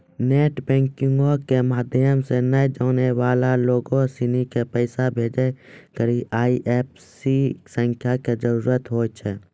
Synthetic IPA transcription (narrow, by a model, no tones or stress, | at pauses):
neːʈbɛ̃ːŋkɪ̃ŋɡokemaːd̪ʱjəmsenəjd͡ʒoːneʋaːlaloːɡõsɪnikepəɪsabʱeːd͡ʒekəɾiʔaːiʔeːp̚ | sisə̃ŋkʰjaked͡ʒəɾuːɾət̪ɦoːt͡ʃʰɛː